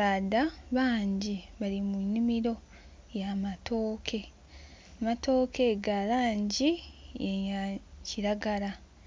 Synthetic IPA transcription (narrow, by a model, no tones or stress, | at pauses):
adaβaːɲɟiβalimunimiɾo̞ | jamatʰo̞ːkʰe̞ | amato̞ːke̞ɡalaːɲɟieɲaciɾaɡaɾa